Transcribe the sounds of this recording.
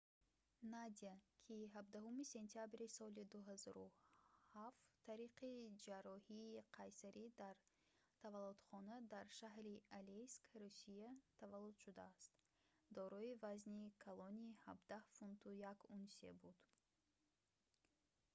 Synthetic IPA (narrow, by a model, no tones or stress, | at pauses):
nad̪iakʰiɦabd̪aɦumise̞nt̪ʰiabɾisɔlid̪uɦazɔɾuhaftt̪ʰːaɾiqʰid͡ʒaɾɔhiːqʰajsaɾʔid̪aɾ | t̪ʰavalːud̪̥χɔnad̪aɾʃaɦɾialeskɾusijat̪ʰavalːud̪ʃud̪aːst̪ | d̪ɔɾɔivaznikʰalˠɔnihabd̪ahfunt̪ʰujakunsḛbud̪